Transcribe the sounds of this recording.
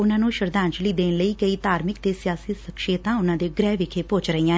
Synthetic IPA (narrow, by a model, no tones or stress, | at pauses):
ʊnãːnũːʃəɾd̪ãːnt͡ʃliːd̪eːnləiːkəiːt̪aːɾmɪkt̪eːsɪjaːsiːsəkʃeːt̪ãːʊnãːd̪eːɡɾɛːʋɪkʰeːpoːt͡ʃɾəijãː